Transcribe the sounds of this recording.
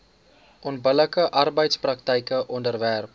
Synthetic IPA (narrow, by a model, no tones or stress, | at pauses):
ʔɔnbələkəʔɐrbəjtsprɐk̚təjkəʔɔndərværp̚